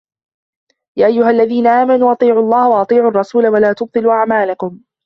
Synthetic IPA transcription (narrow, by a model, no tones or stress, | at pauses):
jaːʔajːʊɦalːaðiːnaʔaːmanuːʔɑt̪ˤiːʕʊɑlˤːɑːhawɑʔɑt̪ˤiːʕʊːɑrˤːɑsuːlawalaːt̪ʊb̚t̪ˤɨluːʔaʕmaːlakʊm